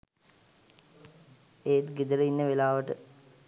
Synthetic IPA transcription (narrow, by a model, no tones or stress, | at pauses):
eːt̪ɡed̪əɾəinːəʋelaːʋəʈə